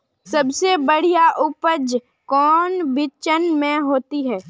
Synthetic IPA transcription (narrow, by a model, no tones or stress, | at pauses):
sɐbsebəɽ̤ijaʔʊpəd͡ʒ | kɔːnbɪt͡ʃənmẽɦoːt̪iɦɛː